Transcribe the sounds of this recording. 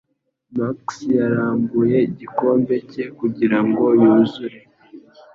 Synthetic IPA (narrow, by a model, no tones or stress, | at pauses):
maksjaɾaːŋɡuje̞iɟiko̞ːmbe̞ce̞kuɟiɾaŋɡo̞juːzuɾe